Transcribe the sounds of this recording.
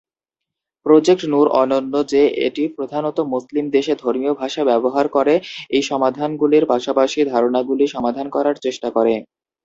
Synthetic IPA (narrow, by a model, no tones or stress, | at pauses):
pɾod͡ʑekʈnuɾʔɔnonːod͡ʑeʔḛʈipɾod̪ʱanot̪omuslimd̪eʃed̪ʱoɾmiobʱaʃabɛboɦaɾkoɾeejʃɔmad̪ʱanɡuliɾpaʃapaʃid̪ʱaɾonaɡuliʃɔmad̪ʱankɔɾaɾt͡ɕeʃʈakoɾe